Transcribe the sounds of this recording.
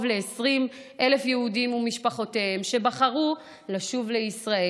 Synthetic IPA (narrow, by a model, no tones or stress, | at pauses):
vle̞ːsʁim | ʔe̞le̞fjeudimumiʃpaχo̞tehemʃe̞baχaʁu | laʃuvle̞isʁae